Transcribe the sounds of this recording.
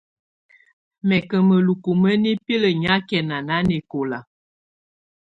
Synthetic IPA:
mɛ˨kə˨mə˨lu˨ku˨mə˦ni˦pi˦lə˨ɲa˦kɛ˨na˨na˦ne˨ko˨la˨

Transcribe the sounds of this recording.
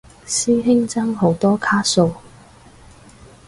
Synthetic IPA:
siː˥ɦɪ˥ŋt͡sɐ˥ŋɦo˨˥wt̪ɔː˥kʰaː˥so˨˧w

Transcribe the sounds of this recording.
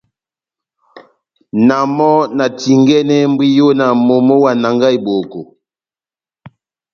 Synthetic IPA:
na˨mɔ˦na˨ti˨ŋɡɛ˦nɛ˦m˦bwi˦jo˦na˨mo˨mo˦wa˨na˨ŋɡa˦i˨bo˨ko˨

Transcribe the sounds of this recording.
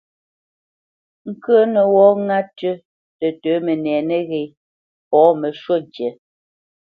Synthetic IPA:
ŋ̩˦kə˦nə˨wɔː˦ŋa˦tə˦ | tə˨təː˨˦mɛ˨nɛː˨nɛ˦ɣe˨ | pɔː˨˦mə˨ʃwo˦˨n˨t͡ʃjɛ˨˦

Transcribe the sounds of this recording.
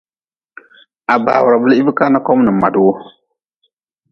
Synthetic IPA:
a˨ba̰ː˨wʊ˨ɾa˨bɨ˦li˦i˦bɨ˦ka˦na˦kɔ˦m˦nɨ˨mːa̰˨du˦wo˦

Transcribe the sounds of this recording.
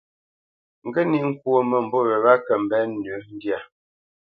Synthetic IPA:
ŋ̩˨ɡə˦ni˨ŋ̩˦kwo˦mə˨m̩˨bɔ˦ɣɛ˨ɾa˦kə˨m̩˨bɛ˦n̩˦˨dʉ˨˦n˦dja˨

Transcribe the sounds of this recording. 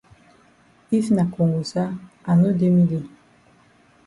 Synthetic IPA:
i˦fna˨ko˨ŋɡu˨sa˦a˨no˦de˦mi˦li˦˨

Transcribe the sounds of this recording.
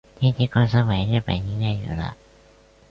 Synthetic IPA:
t̪ʰiː˥˩t̪ʰiː˧˩kʰɔ˧nsa˧ma˨˩˦jna˥˩pa̰˨˩jɲi˧ŋːa˧˩jjṵː˨˩la̰˧˥ʔ

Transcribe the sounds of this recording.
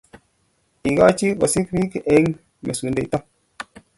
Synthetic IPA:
i˨ɡa˦t͡ʃi˦ka˨si˦kɾi˦kʔe˦ŋ | mḛ˨su˨nde˨ta˦

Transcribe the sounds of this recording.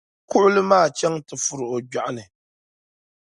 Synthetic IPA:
kʊ˦ʔʊ˦lɨ˦maː˦˨t͡ʃɛ˦ŋtɨ˨fu˨ɾɨ˨ʔo˨ɡ͡ba˨ʔa˦nɨ˨

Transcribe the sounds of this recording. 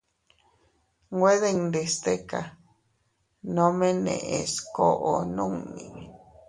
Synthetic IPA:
ɡwe˦ðe˦ŋnd̪e˧st̪e˦ka˨ | nõ˦mẽ˦nḛ̃˨ʔe˨sko˦ʔo˨nũ˦ŋnĩ˨

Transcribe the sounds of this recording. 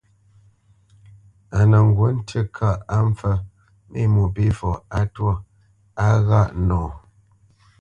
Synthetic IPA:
a˨nə˨ŋ̩˨ɡwo˨˦n̩˦tʰə˦kʰa˦˨ʔa˦ɱ˦fə˦ | mḭ˦˨mu˨bi˦fɔ˨a˦twɔ˦˨ | a˦ɣa˦˨ʔnɔː˨

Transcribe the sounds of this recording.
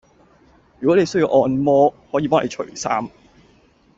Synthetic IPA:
jyː˨˩kɔ˨˥ne˨˧jsɥji˧wʔɔː˧nmɔː˥hɔː˨˥jiː˧pɔː˥ŋle˧jt͡ʃʰɵ̰˨˩saː˥m

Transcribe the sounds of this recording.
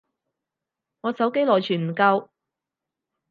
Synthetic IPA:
ŋɔː˨˧sɐ˨˥wke˥jlɔː˨˩jt͡ʃʰyː˨˩nm̩˨˩kɐ˧w

